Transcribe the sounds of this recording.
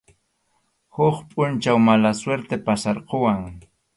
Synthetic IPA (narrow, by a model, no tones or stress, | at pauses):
hʊχpʼʊnt͡ʃawmalasweɾt̪epasaɾqowaŋ